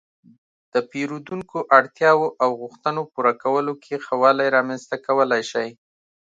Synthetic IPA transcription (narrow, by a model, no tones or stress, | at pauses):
d̪̥əpeɾud̪uŋkoʔaɽt̪jɑwoʔawɣʊxt̪ənopuɾakawəlokʰexawɑlajɾɑmanst̪akawəlajʃaj